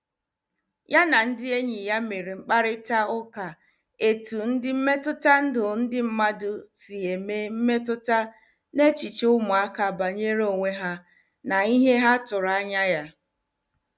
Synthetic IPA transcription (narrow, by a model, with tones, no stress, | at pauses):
ja˦na˨n̩˦dɪ˦e˦ɲi˨ja˦me˨ɾi˨ŋ͡m̩˦k͡pa˦ɾɪ˦ta˦ʊ˦ka˨ | e˨tu˨n̩˦dɪ˦m̩˦me˦tʊ˦ta˦n̩˦dʊ˨n̩˦dɪ˦m̩˦ma˦dʊ˨si˨ɦe˨me˦m̩˦me˦tʊ˦ta˦ | ne˦t͡ʃi˨t͡ʃʊ˦mʊ˨a˦ka˨ba˨ɲe˦ɾo˨ŋʷe˦ɦa˦ | na˨i˦ɦe˦ɦa˦tʊ˨ɾa˦ɲa˦ja˦